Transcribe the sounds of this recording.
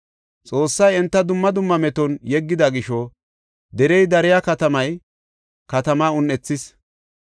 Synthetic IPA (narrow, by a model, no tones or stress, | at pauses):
t͡sʼo̞ːsːɐjɛnt̪ːɐd̪ʊmːɐd̪ʊmːɐmɛt̪ɔnjɛɡːɪd̪ɐɡɪʃɔ | d̪ɛɾɛjd̪ɐɾɪjakɐt̪ɐmɐj | kɐt̪ɐmaːʊnːɛt͡sːɪs